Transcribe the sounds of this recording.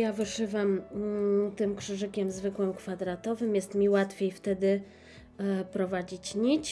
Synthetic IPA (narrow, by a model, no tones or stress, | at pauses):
javɘʂɘvam | t̪ɘmkʂɘʐɘkʲɛmzvɘkwɘmkfad̪ɾat̪ɔvɘmjɛst̪mʲiwat̪fʲjejft̪ɛd̪ɘ | pɾɔvad͡ʑit͡ɕɲit͡ɕ